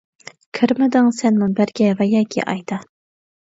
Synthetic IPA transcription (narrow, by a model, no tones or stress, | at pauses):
kʲʰɪɾmɪd̪ɪŋsɛnmunbæɾɡʲɛvɛjɑːkʲʰḭʔɑ̰jd̪ɑ